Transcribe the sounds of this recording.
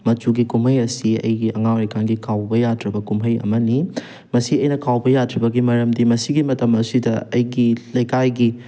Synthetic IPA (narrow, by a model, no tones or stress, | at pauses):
mɐt͡ʃuɡikumhɐjɐsiɐ̰jɡiɐŋawɾɐjkʰanɡikʰawbɐjadɾɐbɐkumɦɐjɐ̰mɐni | mɐsiɐjnɐkʰawbɐjatʰɾibɐɡimɐɾɐmdimɐsiɡimɐtɐmɐsidɐɐjɡilɐjkajɡi